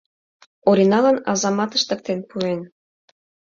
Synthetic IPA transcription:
oɾinɑlɑnɑ̰zɑmɑt̪ə̥̆ʃt̪ə̆k̚t̪enpuen

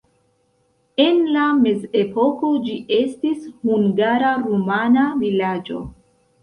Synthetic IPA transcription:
e̞nlame̞ze̞po̞ko̞d͡ʒiʔe̞stishuŋɡaɾaɾumanavilad͡ʒo̞̰

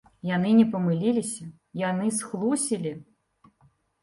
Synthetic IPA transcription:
janɨnʲɛpɐmɨlʲilʲisʲɐ | janɨsxlˠusʲilʲi

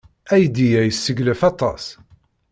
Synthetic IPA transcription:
æjd̪ijæjəsːəɡlæfɑt̪ˤɑ̰s

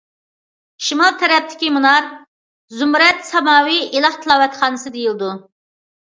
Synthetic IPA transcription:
ʃimɑlˠt̪ʰɛɾɛp̚t̪ʰɪ̥kʲimunɑɾ | zumɾɛt̪sɑmɑːwiilˠɑχt̪ʰɨlˠɑːwɛt̪χɑːnɨsɨd̪ejilˠɨd̪u

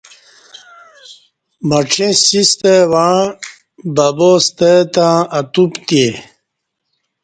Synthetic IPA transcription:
mɐʈ͡ʂʰĩsist̪ewa | babost̪et̪ãːt̪upt̪e

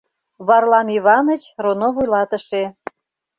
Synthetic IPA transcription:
βɑrlɑmiβɑnət͡ɕronovujlɑt̪ə̆ʃe

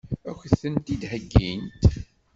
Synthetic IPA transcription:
ækːθənt̪id̪həɡːint̪

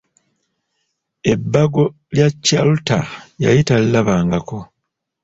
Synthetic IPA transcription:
e̞bːaɡo̞ | ljacːalutaja̰jitallaβaːŋɡako̞

